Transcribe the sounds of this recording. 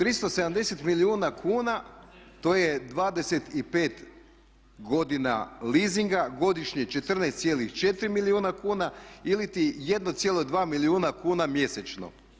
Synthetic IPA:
t̪ɾist̪o̞sed̪amd̪e̞se̞t̪miliuːnakʰuːnat̪o̞je̞d̪ʋaːd̪e̞se̞t̪ipe̞ːt̪ | ɡo̞d̪ina̰liːziŋɡaɡo̞d̪iʃɲet͡ʃe̞t̪r̩nest̪sje̞lixt͡ʃe̞t̪ɾimiliuːnakuːnailit̪ije̞d̪not̪sje̞lˠod̪ʋaːmiliuːnakuːnamje̞set͡ʃno̰

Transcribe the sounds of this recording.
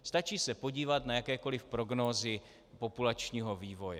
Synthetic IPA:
st̪at͡ʃiːsɛpo̞ɟiːvat̪najakɛːko̞lɪfpɾo̞ɡnoːzɪ | po̞pulat͡ʃɲiːɦo̞viːvo̞jɛ

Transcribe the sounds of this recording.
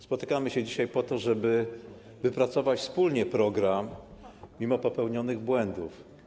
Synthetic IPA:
spɔt̪ɘkamɘɕɛd͡ʑiɕajpɔt̪ɔʐɛbɘ | vɘpɾat̪sɔvat͡ɕfspulɲɛpɾɔɡɾamːʲ | imɔpɔpɛwɲɔnɘɣbwɛnd̪uf

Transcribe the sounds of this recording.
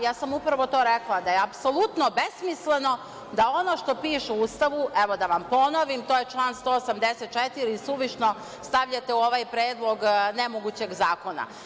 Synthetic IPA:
jaːsamupɾaʋo̞t̪o̞ːɾeklˠad̪ajeapso̞lˠut̪no̞be̞smisle̞no̞ | d̪ao̞no̞ʃt̪o̞piːʃeust̪aʋuʔeʋo̞d̪aʋampo̞noʋimt̪oːjet͡ʃlˠaːnst̪oːsamd̪eset̪̚t͡ʃet̪iɾiːsuʋiʃno̞ | st̪aʋʎat̪e̞uo̞ʋajpɾeːd̪lˠo̞ɡnemoɡut͡ɕe̞ɡzaːko̞na̰

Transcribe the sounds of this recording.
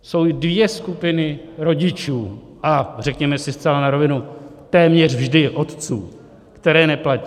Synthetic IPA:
so̞wdvjɛskupɪnɪɾo̞ɟɪt͡ʃuː | ʔar̝ɛkɲɛmɛsɪst͡sɛlanaɾo̞vɪnut̪ɛːmɲɛrvʒdɪʔo̞t̪t͡sṵː | kt̪ɛɾɛːnɛplaciː

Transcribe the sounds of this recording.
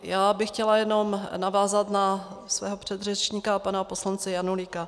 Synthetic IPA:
jaːbɪxcɛlajɛno̞mnavaːzat̪nasvɛːɦo̞pr̝̥ɛd̪rɛt͡ʃɲiːkaːpanapo̞slant͡sɛjanulika

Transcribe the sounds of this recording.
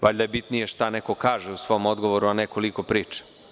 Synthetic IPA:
ʋaʎʲd̪ajebit̪nije̞ʃt̪aneko̞kaːʒeusʋo̞mod̪ɡo̞ʋo̞ɾuaneko̞liko̞pɾiːt͡ʃḁ

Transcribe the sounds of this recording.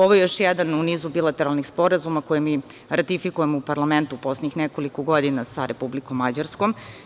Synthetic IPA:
oʋojejo̞ʃjɛd̪anuniːzubilˠat̪e̞ɾalnixspo̞ɾazumako̞jemiɾat̪ifikujemupaɾlˠame̞nt̪uposleɲixneko̞likoɡod̪inasaɾʔe̞publikomːad͡ʑaɾskom

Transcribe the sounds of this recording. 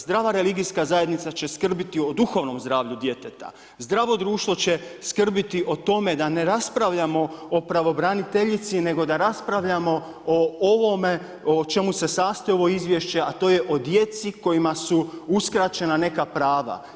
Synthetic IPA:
zd̪ɾaːʋaɾe̞liɡijskazaje̞d̪nit̪sat͡ɕe̞skr̩bit̪io̞d̪uxo̞ʋno̞mzd̪ɾaːʋʎud̪je̞t̪et̪a̰ | zd̪ɾaːʋo̞d̪ɾuːʃt̪ʋo̞t͡ɕe̞skr̩bit̪iʔo̞t̪o̞me̞d̪ane̞ɾaspɾaʋʎamo̞opɾaʋo̞bɾanit̪e̞ʎit̪sine̞ɡo̞d̪aɾaspɾaʋʎamo̞ | ooʋo̞me̞ | ot͡ʃe̞muse̞saːst̪oeo̞ʋo̞izʋje̞ʃt͡ɕe̞at̪o̞ːje̞ʔo̞d̪je̞t̪siko̞jimasuuskɾat͡ɕe̞nane̞kapɾaːʋa̰

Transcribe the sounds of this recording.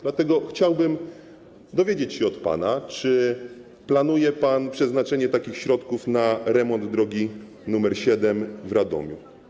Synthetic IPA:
d̪̥lat̪ɛɡɔxt͡ɕawbɘm | d̪ɔvʲjed͡ʑet͡ɕɕɛɔt̪pa̰nat͡ʂɘ | plan̪ujɛpanpʂɛznat͡ʂɛɲɛt̪akʲixɕɾɔt̪kufnaɾɛmɔnd̪d̪ɾɔɡʲi | numɛɾɕɛd̪ɛmvɾʔad̪ɔ̰mʲjṵ

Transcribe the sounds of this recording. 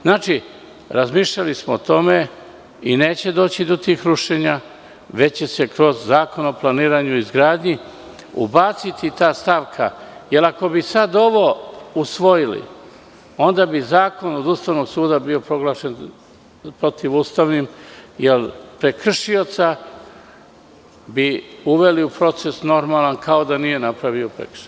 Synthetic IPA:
znaːt͡ʃi | ɾazmiːʃʎalismoːt̪o̞me̞ | ine̞ːt͡ɕe̞d̪oːt͡ɕid̪ot̪iːxɾuʃe̞ɲa | ʋe̞t͡ɕe̞se̞kɾo̞zːaːko̞naoplˠaniːɾaːɲuizɡɾaːd̪ɲi | ṵbat̪sit̪it̪aːst̪aʋkʰa̰je̞lako̞bisad̪o̞ʋo̞usʋo̞jilḭ | o̞nd̪abizaːko̞no̞d̪ust̪aːʋno̞ɡsuːd̪abio̞pɾo̞ɡlˠaːʃe̞n | pɾo̞t̪iʋust̪aʋnimjelˠpɾe̞kr̩ʃio̞t̪sa | biuʋe̞liupɾo̞t̪se̞sno̞ɾmaːlankʰao̞d̪anije̞napɾaʋio̞pɾḛkʃe

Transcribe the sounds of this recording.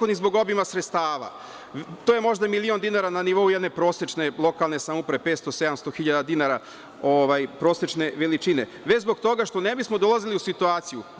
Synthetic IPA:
od̪nizbo̞ɡo̞bimasɾet̪st̪aːʋa̰ | t̪oːjemo̞ʒd̪amilio̞nd̪inaɾananiʋo̞ujɛd̪ne̞pɾo̞ːset͡ʃne̞lˠo̞kalˠne̞samupɾeepe̞ːt̪st̪ose̞d̪amst̪oxiʎad̪ad̪inaɾa | oʋajpɾo̞ːset͡ʃne̞ʋelit͡ʃine | ʋet͡ɕzbo̞kt̪o̞ɡaʃt̪o̞nebismo̞d̪o̞laziliusit̪uaːt̪siju

